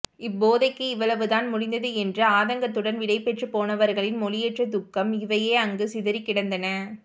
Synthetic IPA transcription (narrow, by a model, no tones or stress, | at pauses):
ɪbːoːðɐɪkːɯɪʋːɐɭɐʋɯðaːnmʊɽɪnd̪ɐðɯɛndrɐaːðɐŋɡɐt̪ːɯɽɐnʋɪɽɐɪpːɛʈrɯpoːnɐʋɐɾɣɐɭɪnmɔlɪjɛʈrɐd̪ʊkːɐmɪʋɐjeːɐŋɡɯsɪðɐɾɪkːɪɽɐnd̪ɐnɐ